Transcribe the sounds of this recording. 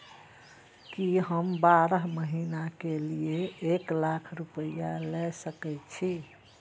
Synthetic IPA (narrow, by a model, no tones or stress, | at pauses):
kiɦəmbaɾəɦməɦinakelieeklakʰɾupəjalɛsəkɛt͡ʃʰi